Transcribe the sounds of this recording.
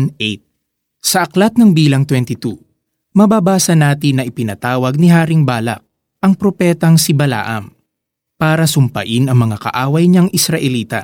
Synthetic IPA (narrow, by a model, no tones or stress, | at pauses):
nʔet̪̚ | sɐʔɐklɐt̪̚nɐŋbiːlɐŋt̪wɛnt̪ɪt̪u | mɐbaːbaːsɐnaːt̪̬ɪnːɐʔɪpɪnɐt̪aːwɐɡ̚nɪɦaːɾɪŋbaːlɐ̰k̚ | ʔɐŋpɾopɛːt̪ɐŋsibɐla̰ːʔɐ̰m | paːɾɐsʊmpɐ̰ʔɪnɐŋmɐŋakɐ̰ʔaːwɐjɲɐŋʔɪsɾɐʔɛliːt̪ɐ̰